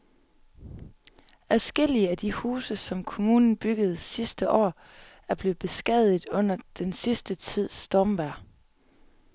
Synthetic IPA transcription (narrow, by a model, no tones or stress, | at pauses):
æsɡ̥el̰iəæd̥ihuːsəsɒ̽mkʰo̝muːnn̩b̥yɡ̥əð̞̩ˠsisd̥əʔɒ̰ː | æɐb̥le̝ðˠb̥e̝sɡ̥ɛð̰ˠdˠɔ̽n̰ɐd̥ensisd̥ət͡sʰið̞̰ˠsd̥ɒːmʋæɐ̰